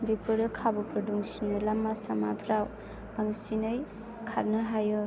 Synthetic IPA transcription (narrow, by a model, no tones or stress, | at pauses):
bipɯdɯkʰabɔpɾɔduŋsinɯlamːasamabʰɾaw | baŋsinɯj | kʰaɾnɯɦajɯ